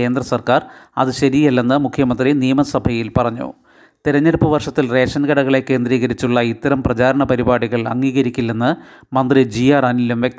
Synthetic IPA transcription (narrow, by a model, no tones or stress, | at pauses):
e̞ːnd̪rɐsɐrkaːrɐ̰ðɨɕɐɾijɐlːenːɨmukʰjɐmɐnd̪rinijɐmɐsɐbʱɐjilpɐrɐɲːṵ | t̪iɾɐɲːɐɾupːɐʋɐrʂɐt̪ːilre̞ːʂɐnɡɐɽɐɣɐɭe̞kːe̞ːnd̪ɾiːɣɐɾit͡ɕːuɭːɐit̪ːɐɾɐmprɐt͡ɕaːɾɐɳɐpɐɾibaːɽiɣɐɭɐ̰ŋːiːɣɐɾikʲːilːenːɨmɐnd̪rid͡ʑijaːrɐnilumʋjek̚t̪